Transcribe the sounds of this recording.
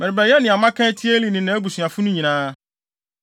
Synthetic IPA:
mɛ̃˨ɾɪ˨bɾɛ˨jɛ˦nɪ̃˨a˨mã˦kʰɛ̃˦tʰi˦e˦li˨nɪ̃˨nã˨æ˦bu˨sɥa˨fʊ˦nʊ̃˦ɲĩ˨nãː˦

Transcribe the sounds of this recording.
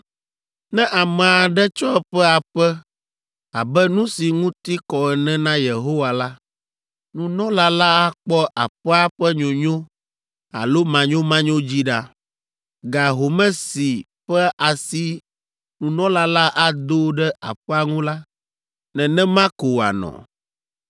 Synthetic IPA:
nɛ̃˦ʔa˨mɛ̃˨a˨ɖɛ˦t͡ʃɔ˦ɛ˦ɸɛ˦a˨ɸɛ˦ | a˨bɛ˦nũ˦si˨ŋũ˦t̪i˦kɔ˨ɛ˨nɛ̃˦nã˦je˨ɦo˦wa˨la˦ | nũ˨nɔ̃˦la˦la˦a˦k͡pɔ˦ʔa̰˨ɸɛ˦a˦ɸɛ˦ɲõ˨ɲõ˦ | a̰˨lo˦mã˨ɲõ˦mã˦ɲõ˦d͡ʑi˦ɖa˦ | ɡa˨ɦo˨mɛ̃˦si˨ | ɸɛ˦ʔa˨si˦ | nũ˨nɔ̃˦la˦la˦ʔa˦d̪o˦ɖɛ˦a̰˨ɸɛ˦a˨ŋũ˦la˦ | nɛ̃˨nɛ̃˦mã˦ko˨a̰˨nɔ̰̃˨

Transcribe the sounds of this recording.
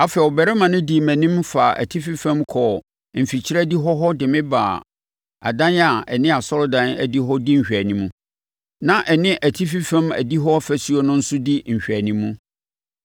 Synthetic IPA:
a˨fɛ˨ɔ˨bɛ˨ɾɛ˦mã˨nʊ̃˦di˨mæ̃˨nĩ˦mfa˨ʔæ̰˨tʰi˦fi˦fæ̃˦mkʰɔ˨ | m̩˨fi˨t͡ɕʰi˦ɾæ˦di˦ɦɔ˦ɦɔ˦dɪ˨mɪ̃˦baː˨ | a̰˨dã˦na˨ɛ˨nɪ̃˦a˨sɔ˦ɾɔ˦dã˦næ˨di˦ɦɔ˦di˦ɲ̩˨ɕᶣæ˨nĩ˦mũ˦ | nã˦˨ʔɛ˨nɪ̃˦ʔæ˨tʰi˦fi˦fæ̃˦mæ̰˨di˦ɦɔ˦fæ˨su˦ɔ˦nʊ̃˦n̩˦sʊ˦di˦ɲ̩˨ɕᶣæ˨nĩ˦mũ˦

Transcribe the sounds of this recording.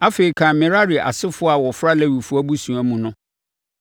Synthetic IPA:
a˦feː˨ɾi˨kʰã˨˦mɪ̃˨ɾa˦ɾi˨ʔa̰˨sɪ˦fʊ˦a˨wɔ˨fɾa˦læ˦˨wi˨fʊ˦æ˦bu˦sũ˨æ˦mũ˨nʊ̃˦

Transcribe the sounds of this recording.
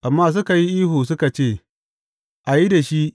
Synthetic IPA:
ʔa˨mːaː˦s̬ʊ˦ka˨ji˦ʔiː˦ɦoː˨s̬ʊ˦ka˨t͡ʃeː˦˨ | ʔa˨ji˦da˨ʃi˦ʔ

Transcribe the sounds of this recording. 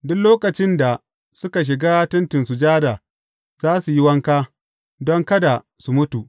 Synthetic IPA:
dʊ˦kloː˦kɐ˨t͡ʃɪ˦nda˨ | sʊ˦ka˨ʃ̬ɪ˨ɡaː˦tɐ˦ntɪ˨nsu˨d͡ʒaː˦da˨ | zaː˦su˨ji˦wɐ˦ŋkaː˦ | dɔ˦ŋkɐ˦da˨ | su˨mʊ˦tu˨ʔ

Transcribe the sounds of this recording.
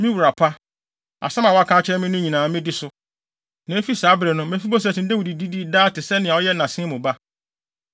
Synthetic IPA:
mĩ˦wu˨ɾa˨pʰa˦ | a̰˨sã˦mã˨wɔ˦a˦˨kʰã˦t͡ɕʰɛ˦mɪ̃˦nʊ̃˦ɲĩ˨nãː˨mɪ̃˦dɪ˦sʊ˦ | nã˨˦e˦fi˦saː˨˦bɾɛ˨nʊ̃˦mɛ̃˦fi˦bɔ˦s̬tɪ̃˨n˦de˦wi˨di˨di˦diː˦daː˦tɪ˨sɛ˦nɪ̃˨a˨ɔ˦jɛ˦nã˨sɪ̃˦mʊ̃˨ba˦

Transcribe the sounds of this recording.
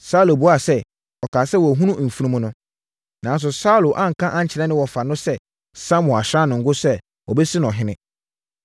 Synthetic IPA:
sa˦lo˨bu˦a˦˨sɛ˦ | ɔ˨kʰaː˨sɛ˦wɔ˨ɦũ˦nũ˦ʔm̩˨fu˦nũ˦m̃˦nʊ̃˦ | nã˨˦n˦s̬ʊ˨sa˦lo˨ʔã˦ŋ̩˨kʰã˦ʔã˦ɲ˦t͡ɕʰɪ˨ɾɛ˦nɪ̃˦wɔ˨fa˨nʊ̃˦sɛ˦ | sã˦mʊ̃˨a˨ɕɾã˦nʊ̃˨ŋ̩˨ɡʊ˦sɛ˦ | wɔ˨bɛ˦sɪ˦ñ˨ɔ˨ɦɪ̃˦nɪ̃˦

